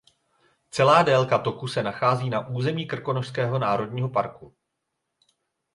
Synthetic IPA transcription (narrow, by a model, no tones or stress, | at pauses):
t͡sɛlaːdɛlkat̪o̞kusɛnaxaːziːnaʔuːzɛmiːkr̩ko̞noʃskɛːɦo̞naːɾo̞dɲiːɦo̞paɾku